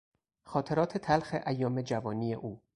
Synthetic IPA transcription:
xɒːt̪ʰe̞ɾɒːt̪ʰet̪ʰælxeʔæjːɒːme̞d͡ʒævɒːniːje̞ʔuː

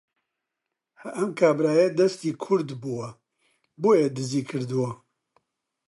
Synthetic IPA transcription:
hɛʔɐmkʰaːbɾaːjed̪ɛst̪iːkʰʊɾd̪buwɐ | boːjeːd̪ɨziːkʰɨɾd̪ɨwɐ

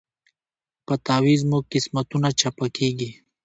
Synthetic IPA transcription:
pət̪aːwizmuɡ̚qɪsmɐt̪unat͡ʃapakʰeɡi

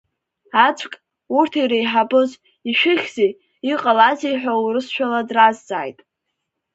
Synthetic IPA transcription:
at͡sʷʰkʼ | urtʰiɾejħabɨz | iʃᶣɪχʲzej | iqʼalazejħʷᶣawɾɨsʃʷᶣaladrazd͡za̰ːjtʼ

